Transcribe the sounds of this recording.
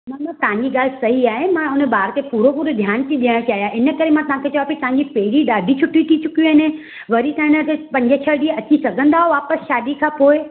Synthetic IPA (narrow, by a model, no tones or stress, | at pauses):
mãmãt̪ɐʋ̤ãɲd͡ʑiɡaːl̤sɐɦiaːɦemãʊnəbaːɾt̪epuːɾopuːɾod̪ʱjaːnt̪ʰiɗiɽ̃t͡ɕaːɦijaʔɪnə̆kɐɾemãt̪ɐʋ̤ɦãkʰeːt͡ɕɐʋaːpit̪ɐãɲd͡ʑipeːɽiɗaːɖʱit͡ʃʰʊʈːit̪ʰit͡ɕʊkijuɦɪne | ʋɐɾit̪ãnət̪epɐ̃ɲd͡ʑət͡ɕʰɐɭɖiɐt͡ɕisɐɡʱə̃nd̪aːɦoʋaːpəsʃaːd̪ikʰãːpoːe